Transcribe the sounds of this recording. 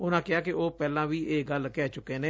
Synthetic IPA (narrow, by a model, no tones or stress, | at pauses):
ʊnãːkɪaːkɪʔoːpɛːlãːʋiːʔeːɡəlkɛːt͡ʃʊkːeːnẽː